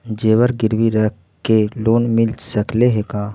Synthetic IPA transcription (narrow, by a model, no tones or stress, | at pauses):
d͡ʒeːwəɾɡɪɾwiɾɛk | keloːnmɪlsəkleɦekaː